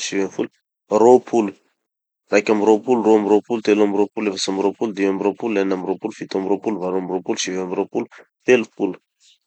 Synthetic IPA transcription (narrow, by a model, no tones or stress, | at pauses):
ʃivenfulu | ropʰulu̥ | rajkʲamiropuluroamiropult̪elamiropulefasamiɾopuld̪iamiropulːanamiropulufit̪amiɾopuluvaɾoamiropulʃivamiɾopulut̪elupulu̥